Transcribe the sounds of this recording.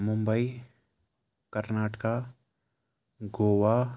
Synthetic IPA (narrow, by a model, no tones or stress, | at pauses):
mʊ̃mbəi | kəɾnaːʈka | ɡoːʋa